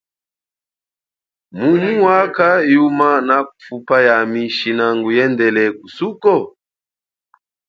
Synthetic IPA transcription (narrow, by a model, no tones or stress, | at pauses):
mumuwakajumanakufupajamiʃinaŋɡujɛndɛlɛkusukɔ